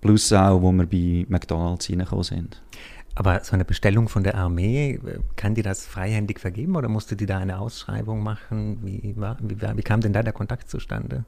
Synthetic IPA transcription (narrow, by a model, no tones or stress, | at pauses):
plusaʊvoməɾbimɛkd̥ɔnalsinəχo̰ːzɪ̰nd̥ | ʔʔaːbɐzoʔanəbəʃtɛlʊŋfɔndeːɐʔaɐmeːɛ̰kʰandiːɐdasfʁ̥aɪhɛndɪçfɛɐɡeːbm̩oːdɐmʊstədiːdaːaɪnəʔaʊsʃʁ̥a̰ɪbʊŋmaχn̩viːvaːviːva̰ːviːkʰaːmdɛndaːdeːɐkʰɔntʰaktt͡suʃtʰa̰ndə